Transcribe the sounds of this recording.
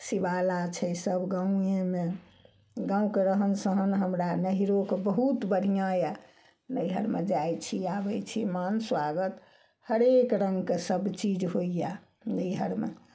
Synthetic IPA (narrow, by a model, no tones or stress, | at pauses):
sibalat͡ʃʰɛsəbɡãũjeme | ɡãũkeɾəɦənsəɦənɦəmɾanəɦiɾokebəɦut̪bəɽ̤ijãja | nəjɦəɾmed͡ʒajt͡ʃʰiabɛt͡ʃʰimanswaɡət̪ | həɾekɾə̃ŋɡkesəbt͡ʃid͡ʒɦoija | nəjɦəɾmḛ